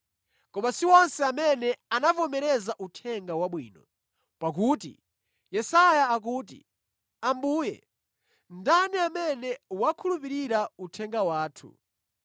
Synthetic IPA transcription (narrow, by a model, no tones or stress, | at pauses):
kɔmasiwɔnsɛamɛnɛanavɔmɛɾɛzaʔutʰɛŋɡawaɓwḭːnɔ | pak̬uːtḭ | jɛsajaːk̬uːt̬ḭ | ambuːjɛ̰ | ndaniamɛnɛwakʰulupiɾiɾautʰɛŋɡawaːtʰṵ